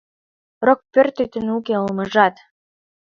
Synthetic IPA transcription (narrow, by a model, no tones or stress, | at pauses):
rok̚pørt̪et̪ɘ̆nukeəlməʒɑt̪